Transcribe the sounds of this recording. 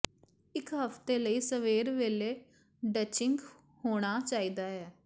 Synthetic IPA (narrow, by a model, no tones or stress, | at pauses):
ɪkɦəft̪eːləiːsəʋeːɾʋeːleː | ɖət͡ʃɪŋɡ | hoːɽ̃aːt͡ʃaːiːd̪aːɦɛː